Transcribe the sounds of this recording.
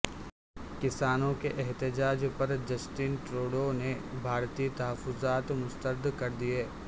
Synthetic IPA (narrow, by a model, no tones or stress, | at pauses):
kɪsaːnõkeʔɛɦt̪ɪd͡ʒaːd͡ʒpɐɾd͡ʒɐsʈiːnʈɾoːɽonebʱaːɾt̪it̪ɐɦəfːʊzaːt̪mʊst̪əɾd̪ʱkɐɾd̪ieː